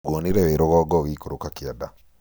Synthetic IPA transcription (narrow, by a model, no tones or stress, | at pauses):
woniɾɛweɾoɣɔɡɔɣikoɾokakiada